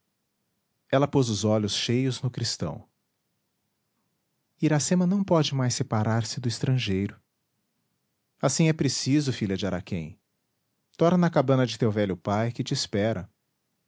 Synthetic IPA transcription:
ɛlɐpozʊzɔʎʊsʃejʊznʊkɾist̪ɐ̰̃w̃ | iɾasẽmɐnɐ̃w̃pɔd͡ʒɪmajsːepaɾʔaɾsɪd̪ʊɪst̪ɾɐ̃ʒejɾʊ | asĩɛpɾesizʊfiʎɐd͡ʒɪaɾakʰḛ̃j̃ | t̪ɔɾnɐkabɐ̃nɐd͡ʒɪt̪ewvɛʎʊpajkɪt͡ʃɪːspɛɾɐ

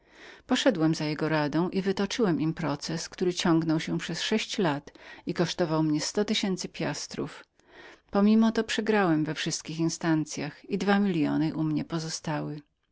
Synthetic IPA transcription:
pɔʂɛd̪wɛmzajɛɡɔɾad̪ɔ̃w̃ʔivɘt̪ɔt͡ʂɘwɛmʔimpɾɔt̪sɛskt̪uɾɘt͡ɕɔ̃ŋɡnɔwɕɛpʂɛsʂɛɕt͡ɕlat̪ikɔʂt̪ɔvawmɲɛst̪ɔt̪ɘɕɛnt̪sɘpʲjast̪ɾṵf | pɔmʲimɔt̪ɔpʂɛɡɾawɛmvɛfʂɘst̪̚kʲixinst̪ant̪sʲjaxid̪vamʲilʲjɔ̰nɘʔumɲɛpɔzɔst̪awɘ

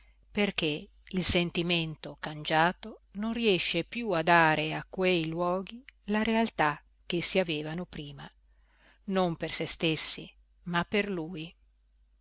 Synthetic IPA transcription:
perk̟e | ilsent̪iment̪okand͡ʒaːt̪ononriɛʃːepjuad̪aːɾeakːwejlwɔːɡilaɾealt̪a | k̟ːesːiaveːvanopɾiːma | nompersest̪esːḭ | mapːerluːj

